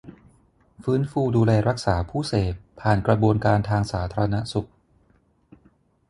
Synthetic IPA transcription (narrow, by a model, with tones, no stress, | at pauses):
fɯː˦˥nfuː˧duː˧lɛː˧ɾa˦˥k̚saː˩˦pʰuː˥˩seː˨˩tʰːaː˨˩nkɾa˧bu˧ənkaː˧nt̪ʰaː˧ŋsaː˩˦t̪ʰaː˧ɾa˧na˦˥su˨˩k̚